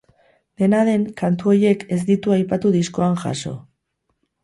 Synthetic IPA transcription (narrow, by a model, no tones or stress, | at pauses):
ne̞naðe̞ŋkant̪uo̞je̞ke̞zd̪it̪uajpat̪uðisko̞aŋxa̰so̞̰